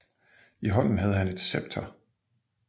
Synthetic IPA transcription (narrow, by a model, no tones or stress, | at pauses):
iɦɒ̽n̰n̩ɦæð̞ˠɦæne̝d̥seb̥̚t͡sʰɐ